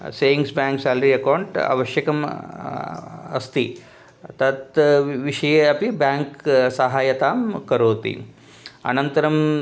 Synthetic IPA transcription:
seːjiŋɡsbaːŋksaːlɾiɐkɐwɳʈɐ̰ʋɐʃjɐkɐm | ɐst̪i | t̪ɐt̪ʋiʂɐjɐpibaːŋksɐɦaːjɐt̪aːmkɐɾoːt̪ḭ | ɐ̰nɐnt̪ɐɾɐm

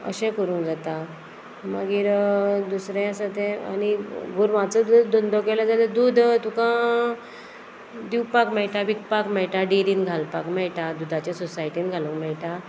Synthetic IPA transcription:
ə̰ɕɛ̃kəɾũnd͡zat̪a | mə̰ɡiːɾd̪usɾjasat̪ẽa̰niɡʱuɾʋat͡səd̪ud̪ond̪okɛlad͡zat̪ed̪uːd̪t̪ukã | d̪iwpakmɛɭʈabikpakmɛɭʈaɖiɾiːnɡʱalpakmɛɭʈad̪ud̪ʱat͡ɕasɔsaiʈiːnɡʱalukmɛɭʈa

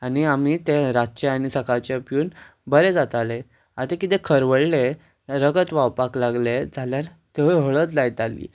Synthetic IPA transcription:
aniam̤it̪eɾatt͡ɕeanisəkat͡ɕepjuːn | bəɾed͡zat̪ale | at̪ekit̪ẽkʰəɾʋəɭle | ɾəɡət̪ʋawpaklaɡled͡zʱaljaɾ | t̪əɦəɭət̪lajt̪alḭː

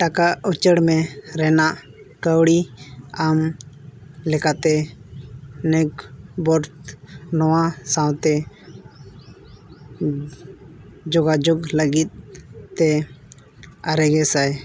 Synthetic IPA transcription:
ʈakaʔut͡ʃəɽmɛɾɛnaʔ | kəwɽiam | lɛkat̪ɛ | nɛɡ̚bɔɾt̪nɔwãsawt̪ɛ | d͡ʒɔɡad͡ʒɔɡləɡit̪̚ːɛ | aɾɛɡɛsaj

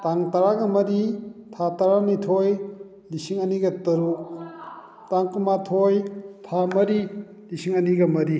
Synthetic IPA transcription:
taŋtaɾaɡɐmɐɾitʰataɾamitʰoj | lisiŋɐniɡɐtɐɾuk | taŋkumatʰojtʰamɐɾi | lisiŋɐniɡɐmɐɾi

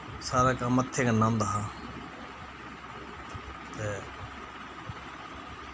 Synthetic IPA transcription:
saːɾaːkaːmət̪ʰːeːkanaːmd̪aːɦãː | t̪eː

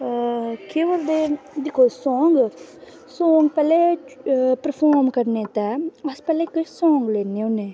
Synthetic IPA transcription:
keːʋɐɾd̪ed̪ikosɔːŋɡ | soːŋɡpɛle | pɾɐfʰoːɾmkɐɾnet̪aɐspɛlːekisõːŋɡlenene

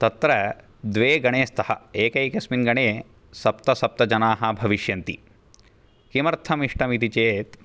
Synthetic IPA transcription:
t̪ɐt̪ɾɐ | d̪ʋeːɡɐɳeːst̪ʰɐhɐ̰eːkɐjkɐsminɡɐɳeː | sɐpt̪ɐsɐp̚t̪ɐd͡ʒɐnaːɦɐbʱɐʋiʃjɐnt̪ḭ | kimɐɾt̪ʰɐmiʂʈɐmit̪it͡ʃeːt̪

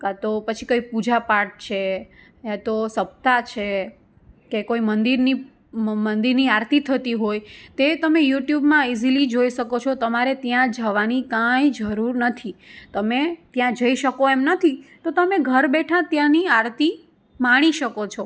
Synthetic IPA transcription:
kat̪opət͡ʃʰikoipud͡ʒapaʈ̚t͡ʃʰe | at̪osəp̚t̪at͡ʃʰe | kekoimənd̪iɾni | mənd̪iɾniaɾt̪it̪ʰət̪iɦojt̪et̪əmejuʈjubmãizilid͡ʒoiʃəkot͡ʃʰot̪əmaɾet̪jãd͡ʒəʋanikajd͡ʒəɾuɾnət̪ʰit̪əmet̪jãd͡ʒəiʃəkoɛmnət̪ʰit̪ot̪əmeɡʱəɾbɛʈʰat̪jãniaɾt̪i | maɽ̃iʃəkot͡ʃʰɔ

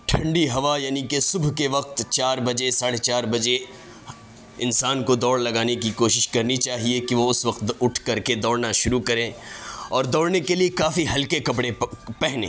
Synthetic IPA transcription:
ʈʰɐ̃ɳɖiɦɐʋajaːnikesʊbʱkeʋɐq̚t̪t͡ʃaːɾbɐd͡ʒesaːɽet͡ʃaːɾbɐd͡ʒe | ɪ̃nsaːnkod̪ɔːɽlɐɡaːnekikoːʃɪʃkɐɾnit͡ʃaːɦiekiʋoʊsʋɐqt̪ʊʈʰkɐɾked̪ɔːɽnaʃʊɾukɐɾẽːɔːɾd̪ɔːɽnekeliekaːfiɦɐlkekɐpɽepɛɦnḛː

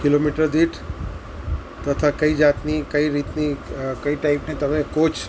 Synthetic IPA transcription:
kilomiʈəɾd̪iʈʰ | t̪ət̪ʰakəid͡ʒat̪nikəiɾit̪nikəiʈaipnit̪əmẽkot͡ʃʰ

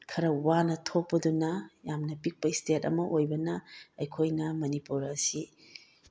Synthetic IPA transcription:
kʰɐɾɐwanɐtʰok̚pːɐdunɐjamnɐpik̚pɐistʰetɐ̰mɐʔojbɐnɐːjkʰojnɐmɐnipuɾɐsi

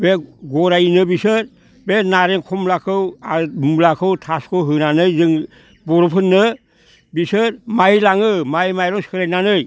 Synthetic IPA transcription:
beɡɔɾajnɯbisɯɾ | benaɾeŋkʰɔmlakʰɯwalakʰɯwtʰaskʰɯwɦɯnanɯjzɯŋ | bɔɾɔpʰɯnːɯ | bisɯɾmajlaŋɯmajmajɾɔŋskʰɯɾajnanɯj

